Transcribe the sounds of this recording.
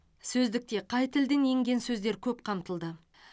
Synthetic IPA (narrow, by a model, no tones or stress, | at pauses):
sɵzd̪ɪk̚t̪e̞qʰɑjt̪ʰɪld̪ene̞ŋɡʲe̞nsɵzd̪e̞ɾkʲʰɵpqʰɑmt̪əlˠd̪ə